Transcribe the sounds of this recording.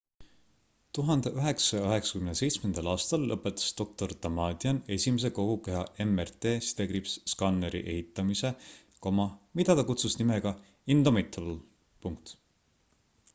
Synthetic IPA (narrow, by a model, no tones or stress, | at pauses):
t̪uɦɑnd̪̥eʔyɦe̞ksɑjɑøɦe̞ksɑ̥kymnese̞jt̪smend̪̥ɑlɑːst̪ɑlːɤpːˑet̪ːˑɑ̥st̪o̞k̚t̪o̞rt̪ɑmɑːd̪iɑne̞sʲimes̬e̞ko̞ɡ̥ukejɑʔe̞mert̪eːsi̥t̪e̞ɡɾipsskɑnːeɾḭʔe̞̰hit̪ːˑɑmise̞ | ko̞mɑmid̪ɑt̪ɑkut̪susnimeɡ̥ɑ | ind̪̥omet̪ʰːl | puŋk̚t̪